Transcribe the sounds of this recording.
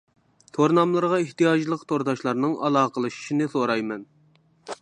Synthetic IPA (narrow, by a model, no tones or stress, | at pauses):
t̪ʰoɾnɑmlˠɨɾʁɑeht̪ijɑd͡ʒlˠəqt̪ʰoɾd̪ɑʃlˠɑɾnɨŋʔɑ̰lˠɑːqʰəlˠɨʃi̥ʃinɪsoɾɑjmɛn